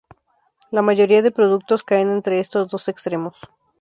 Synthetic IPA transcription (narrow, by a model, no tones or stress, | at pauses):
lamaʝo̞ɾiaðe̞pɾo̞ðuk̚t̪o̞skaene̞nt̪ɾe̞est̪o̞zðo̞se̞kst̪ɾe̞mo̞s